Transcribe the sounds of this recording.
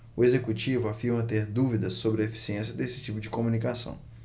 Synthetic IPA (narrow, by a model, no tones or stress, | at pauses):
ʊezekut͡ʃivʊafiɾmɐt̪eɾd̪uvid̪ɐsːobɾɪefi̥siẽsiɐd̪esɪ̥t͡ʃipʊd͡ʒɪkomunikasɐ̰̃w̃